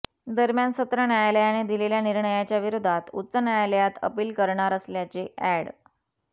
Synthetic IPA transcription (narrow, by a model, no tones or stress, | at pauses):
d̪əɾmjansət̪ɾəɳjajaləjaɽ̃id̪ileljaniɾɳəjat͡ɕjaʋiɾud̪ʱat̪ṵtːt͡sənjajaləjat̪ə̰piːlkəɾɳaɾəsljat͡seʔæɽ